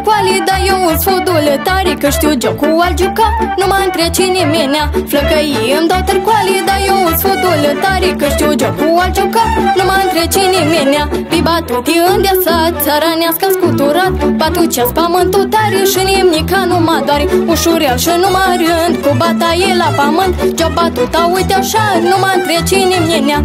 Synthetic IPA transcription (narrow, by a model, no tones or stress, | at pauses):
kwalid̪ajouzfod̪olɨt̪aɾikəʂt̪ʲjud͡ʒɐkuwald͡ʒukanumaːnk̪ɾet͡ʃinimenʲafləkəjiəmd̪ɐt̪ɐɾkwalid̪ajousfod̪olət̪aɾikəʂt̪ʲjud͡ʒɐkuwald͡ʒukanumaːnk̪ɾet͡ʃinimenjabibat̪ut̪iənd̪ʲasat̪t͡sʰɐɾanjaskaskut̪uɾat̪̚bat̪ut͡ʃaspamɐnt̪ut̪aɾiʂɨnimnikanumad̪waɾiuʂuɾjaʂɨnumaɾind̪kubat̪ajilapamɐnd̪d͡ʒɔbat̪ut̪awut̪ʲaʂanumant̪ɾet͡ʃinimnena